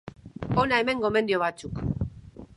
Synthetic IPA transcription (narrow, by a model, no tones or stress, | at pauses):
o̞nae̞me̞ŋɡo̞me̞nd̪io̞β̞at͡suk